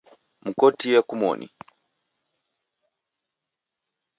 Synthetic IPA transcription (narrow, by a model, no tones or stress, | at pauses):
m̩kɔtijɛkumɔ̰nʔḭ